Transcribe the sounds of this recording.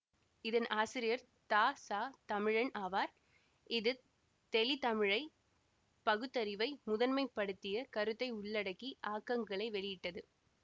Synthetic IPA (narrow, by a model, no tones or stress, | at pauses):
ɪðɐnʔaːsɪɾɪjɐɾ | t̪aːsaːt̪ɐmɪɻɐnaːʋaːɾ | ɪðɯ | t̪ɛlɪt̪ɐmɪɻɐɪ | pɐɣɯt̪ːɐɾɪʋɐɪmʊðɐnmɐɪpːɐɽɯt̪ːɪjɐkɐɾɯt̪ːɐɪʊɭːɐɽɐkːiʔaːkːɐŋɡɐɭɐɪʋɛɭɪjɪʈːɐðɯ